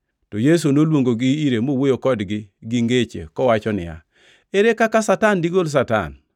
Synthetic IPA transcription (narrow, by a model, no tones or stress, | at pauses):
tɔjes̬onolwoŋɡoɡɪiɾemowojokɔdɡɪɡiŋɡet͡ʃḛkɔwat͡ʃɔnɪ̰ja̰ | eɾekakasatandiɡols̬ata̰n